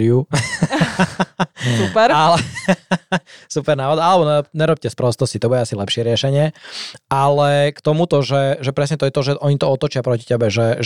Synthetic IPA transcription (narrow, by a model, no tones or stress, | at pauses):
u | supɛɾalɛ | supɛɾnaːʋad̪alɛbɔnɛɔp̚ɲɛɾɔp̚cɛspɾɔst̪ɔscit̪ɔbuɟɛasilɛpʃɪɛɾɪɛʃɛɲɪɛalɛkt̪ɔmut̪ɔʒɛʒɛpɾɛsɲɛt̪ɔjɛt̪ɔʒɛʔɔɲit̪ɔɔt̪ɔt͡ʃɪapɾɔci̥cɛbɛʒɛʒ